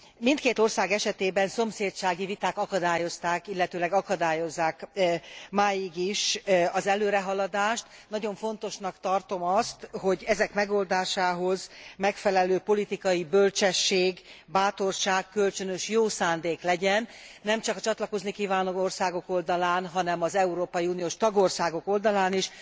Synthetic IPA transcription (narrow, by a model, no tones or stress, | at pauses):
mint̪keːt̪o̞rsaːɡɛʃɛt̪eːbɛnso̞mseːt̪ʃaːɡivit̪aːkɒkɒd̪aːjo̞st̪aːkilːɛt̪øːlɛɡɒkɒd̪aːjo̞zːaːk | maːjiɡiʃɒzɛløːɾɛɦɒlɒd̪aːʃt̪nɒɟo̞ɱfo̞n̪t̪o̞ʃnɒkt̪ɒrt̪o̞mɒst̪ho̞ɟɛzɛkmɛɡo̞ld̪aːʃaːɦo̞zmɛkfɛlɛløːpo̞lit̪ikɒjibølt͡ʃɛʃːeːɡ | baːt̪o̞rʃaːkːølt͡ʃønøʃjoːsaːnd̪eːklɛɟɛnːɛmt͡ʃɒkɒt͡ʃɒt̪lɒko̞znikiːvaːnoorsaːɡo̞ko̞ld̪ɒlaːnɦɒnɛmɒzɛuɾoːpɒjiuːnijoːʃt̪ɒɡo̞rsaːɡo̞ko̞ld̪ɒlaːniʃ